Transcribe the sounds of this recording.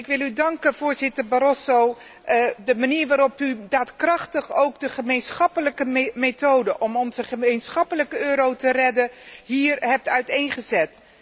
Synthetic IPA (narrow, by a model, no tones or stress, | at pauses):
ɪkʋɪlˠydɑŋkəv̥ʊːɹzɪtəɹbaɾɔsow | dəmaniːɹʋaːɾɔpydaːtkrɑχtəχowkdəχəmejnsχɑpələkəmetowdəʔɔmɔnzəχəmejnsχɑpələkəøːɾowtərɛdəɦiːrɦɛp̚tœɥtejnχəzɛt